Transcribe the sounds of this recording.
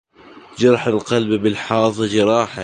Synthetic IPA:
d͡ʒɑɾˤɑħalqalbbɪlħɑːðˤɨd͡ʒɪɾˤɑːħa

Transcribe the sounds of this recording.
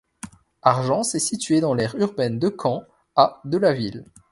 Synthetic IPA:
aʁʒɑ̃sɛsit̪ɥed̪ɑ̃lɛʁyʁbɛnd̪əkʰɑ̃ | ad̪əlavil

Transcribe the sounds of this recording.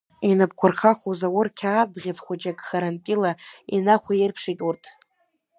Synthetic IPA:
inɨp̚kʷʰʊrχʰaχʷozawʊrkʲʰaːdʁʲad͡zχʷad͡ʒaɡʼχaɾanpʼilainaχʷajɪrpʰʂijtʼurtʰ

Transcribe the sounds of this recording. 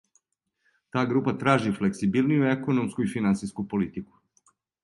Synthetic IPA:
t̪aːɡɾuːpat̪ɾaːʒifleksibilˠnijueko̞no̞mskuifinant̪siskupo̞lit̪iku̥

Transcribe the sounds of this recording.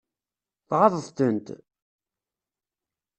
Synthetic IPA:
θʁɑðˤəθt̪ənt̪

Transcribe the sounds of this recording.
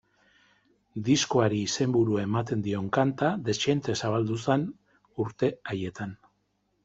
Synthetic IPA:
d̪isko̞aɾiːse̞mbuɾuaemat̪e̞nd̪io̞ŋkant̪aðe̞st͡ʃent̪e̞saβ̞ald̪usen | uɾt̪e̞aje̞t̪an

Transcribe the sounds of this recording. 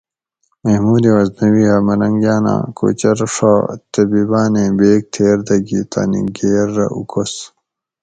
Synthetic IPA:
mehmuːd̪iwɐznɐwiɦɐmɐɾɐŋɡjaːnã̰ːko̰ːt͡ɕɐɾʂat̪ɐbibaːnẽbeːk̚t̪ʰeːɾd̪ɐɡit̪a̰ːnḭɡeːɾːɐ̰ʔṵkʰos

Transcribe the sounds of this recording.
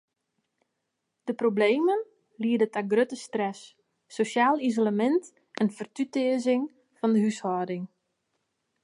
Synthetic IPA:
d̥əprobleːmən | liədətaɡrøtəstrɛsː | osjaːlizolamɛnt | ʔɛnfərtytɪəzɪŋ | fɔndəɦyshɔdɪŋ

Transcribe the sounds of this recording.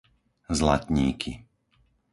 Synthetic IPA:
zla̰t̪ɲiːkʰi

